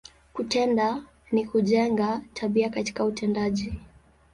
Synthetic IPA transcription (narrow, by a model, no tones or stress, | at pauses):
kutɛnda | nikuʄɛŋɡatʰaɓiakati̥kautʰɛndaʄi